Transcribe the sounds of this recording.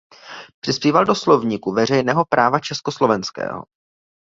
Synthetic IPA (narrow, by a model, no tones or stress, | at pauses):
pr̥ɪspiːvaldo̞slo̞vɲɪkuvɛr̝ɛjnɛːɦo̞pɾʔaːvat͡ʃɛskoslo̞vɛnskɛ̰ːɦo̰